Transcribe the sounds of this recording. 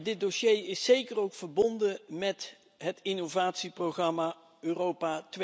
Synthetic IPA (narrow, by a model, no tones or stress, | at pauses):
dɪt̚doʃejɪsːejkərowkfəɹbɔndəmɛt | ɦətɪnowvaːtsiproχrɑmaː | øːrowpatʋ